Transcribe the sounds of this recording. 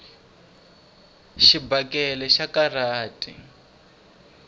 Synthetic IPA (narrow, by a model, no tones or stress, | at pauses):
ʃibakɛlɛʃakaraːtʼḭ